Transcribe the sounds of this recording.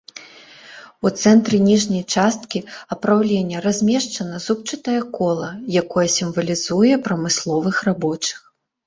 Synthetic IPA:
ut̪sɛnt̪ɾɨnʲiʐnʲɐjt͡ʂast̪kʲiɐpɾawlʲenʲːɐɾazʲmʲeʂt͡ʂɐnɐzup̚t͡ʂɨt̪ɐjɐkɔlˠɐjakɔjɐsʲimvɐlʲizujɛpɾɐmɨslˠɔvɨxrabɔt͡ʂɨ̥x

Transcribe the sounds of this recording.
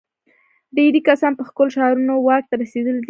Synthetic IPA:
d̪eɾikasɑnpəxkolʃɑɾunowɑk̚t̪aɾased̪əld̪

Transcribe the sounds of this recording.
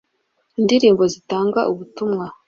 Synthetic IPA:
indiɾiːmbo̞zitaːŋɡa̰ʔuβutumŋa

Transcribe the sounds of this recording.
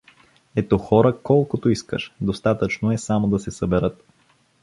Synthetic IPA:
ɛt̪ɔxɔɾəkɔlˠkot̪oiskə̰ʃd̪ost̪at̪ət͡ʃnoɛsamod̪ɐsɛsəbɛɾɤt̪

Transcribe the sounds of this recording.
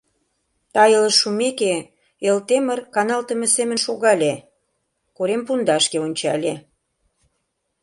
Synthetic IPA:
t̪ɑjə̆ləʃumeke | elt̪emərkɑnɑlt̪ə̆mə̆semə̆nʃoɣɑlʲe | koɾempund̪ɑʃkeonʲt͡ɕɑlʲe

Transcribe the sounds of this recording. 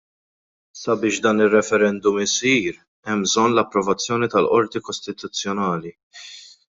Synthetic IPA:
sɐbɪːʃd̪ɐːnɪrːɛfɛɾɛnd̪ʊmɪsiːɾ | ɛmbzɔnːlɐpːɾɔvɐt͡sːjɔːnit̪ɐlʔɔɾt̪ikɔst̪ɪt̪ʊt͡sːjɔnɐːli

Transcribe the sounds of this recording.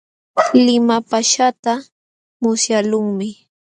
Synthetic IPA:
lɪmapaʃat̪a | mʊsjalʊŋmɪ

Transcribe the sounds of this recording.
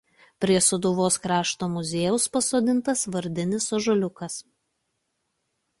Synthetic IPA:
pʲɾʲiɛsɔd̪uːʋoːskɾɑːʃt̪oːmʊzʲeːjɛʊspɐsoːd̪ʲɪnt̪ɐsʋɐɾʲd̪ʲɪnʲɪsɔʒɔlʲʊkɐs

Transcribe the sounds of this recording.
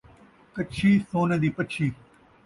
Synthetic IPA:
kɐt͡ʃʰiːsoːnẽd̪iːpɐt͡ʃʰiː

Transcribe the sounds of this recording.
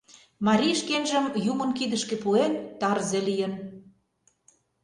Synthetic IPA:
mɑɾʲiʃkenʒə̆mjumə̆nkid̪ə̆ʃkĕpuent̪ɑrzelijən

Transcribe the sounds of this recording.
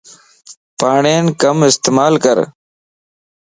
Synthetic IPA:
paːɳeːnkəmɪst̪eːmaːlkəɾ

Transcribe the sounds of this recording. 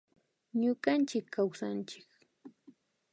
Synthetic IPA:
ɲʊɢant͡ʃɪkːawsant͡ʃɪ̥k

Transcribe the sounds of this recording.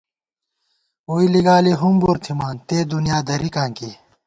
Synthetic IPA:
uːiliɡaːliɦumbuɾt̪ʰimaːnt̪eːd̪unjaːd̪ɐɾikãːŋki

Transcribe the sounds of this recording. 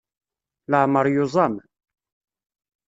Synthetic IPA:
ləʕməɾˤjozˤɑm

